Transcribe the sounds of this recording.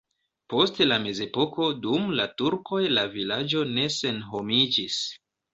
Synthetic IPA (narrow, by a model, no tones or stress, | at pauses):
po̞stlame̞ze̞po̞ko̞dumlatuɾko̞jlavilad͡ʒo̞ne̞se̞nɦo̞mid͡ʒis